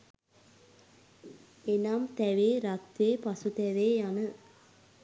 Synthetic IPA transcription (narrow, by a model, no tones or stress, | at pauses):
enamt̪æʋeːɾat̪ʋeːpasut̪ɛʋeːjanə